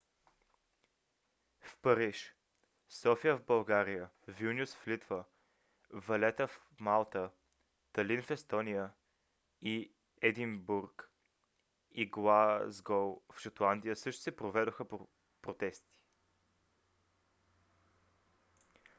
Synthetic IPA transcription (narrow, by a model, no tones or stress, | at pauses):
fpəɾiʃ | sɔfijəvbɐlˠɡaɾijə | vinʲusflit̪və | vɐlɛt̪əf | malˠt̪ə | t̪ɐlinfɛst̪ɔnijə | i | ɛd̪imbuɾk | iɡlˠazɡɔlˠfʃət̪lˠand̪ijəsɤʃt̪ʊ̥sɛpɾovɛd̪oxə | pɾot̪ɛst̪i̥